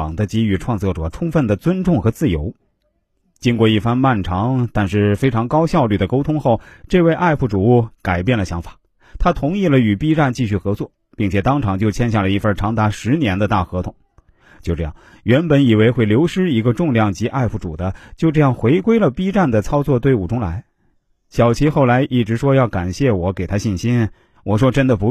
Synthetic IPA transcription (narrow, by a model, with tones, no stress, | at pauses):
ŋd̪ə˦t͡ɕi˧˥y˧˩ʈ͡ʂʰwɑ˥˧ŋt͡swɔ˥˩ʈ͡ʂwɔ̰˨˩ʈ͡ʂʰʊ˥ŋfə˥˩nd̪ə˩t͡swə˥nʈ͡ʂʊ˥˩ŋxɤ˧˥t͡sɹ̩˥˩jo˧˥ʊ | t͡ɕi˥nkwɔ˥˧i˥˩fa˥nma˥˩nʈ͡ʂʰɑ˧˥ŋt̪a˥˧nʂɻ̩˥˩fe˥ɪʈ͡ʂʰɑ˧˥ŋkɑ˥ʊɕjɑ˥˧ʊly˥˩d̪ə˩ko˥ʊt̪ʰʊ˥ŋxo˥˩ʊʈ͡ʂɤ˥˧we˥˧ɪʔa˥˧ɪpfu˥˩ʈ͡ʂu˨˩u˥˩ka˨˩ɪpjɛ˥˩nlə˩ɕjɑ˧˥ŋfḁ˨˩˦ | t̪ʰa˥t̪ʰʊ˧˥ŋi˥˩lə˩y˨˩pi˥ʈ͡ʂa˥˧nt͡ɕi˥˧ɕy˥˩xɤ˧˥t͡swɔ˥˩ | pi˥˩ŋt͡ɕʰjɛ˨˩t̪ɑ˥ŋʈ͡ʂʰɑ˧˥ŋt͡ɕjo˥˧ʊt͡ɕʰjɛ˥nɕ̬ja˥˩lə˩i˧˥fə˞˥ʈ͡ʂʰɑ˧˥ŋd̪a˧˥ʂɻ̩˧˥njɛ˧˥nd̪ə˧t̪a˥˩xɤ˧˥t̪ʰʊ˨˧˩ŋ | t͡ɕjo˥˧ʊʈ͡ʂɤ˥˧jɑ̰˥˩ŋ | ɥɛ˧˥npə˨˧˥ni˨˩we˧˥ɪxwe˥˩ɪljo˧˥ʊʂɻ̩˥i˧˥ɡə˧ʈ͡ʂʊ˥˧ŋljɑ˥˩ŋt͡ɕi˧˥ʔa˥˧ɪfu˥˩ʈ͡ʂṵ˨˩d̪ə˦t͡ɕjo˥˧ʊʈ͡ʂɤ˥˧jɑ˥˩ŋxwe˧˥ɪkwe˥ɪlə˨pi˥ʈ͡ʂa˥˩nd̪ə˩t͡sʰɑ˥ʊt͡swɔ˥˧t̪we˥˧ɪu˨˩ʈ͡ʂʊ˥ŋla˧˥ɪ | ɕjɑ˨˩ʊt͡ɕʰi˧˥xo˥˩ʊla˧˥ɪʔi˥˩ʈ͡ʂɻ̩˧˥ʂwɔ˥jɑ˥˩ʊka˨˩nɕjɛ˥˩wɔ˧˥ke˨˩ɪt̪ʰa˥ɕi˥˩nɕi˥n | wɔ˨˩ʂwɔ˥ʈ͡ʂə˥nd̪ə˨pu˧˥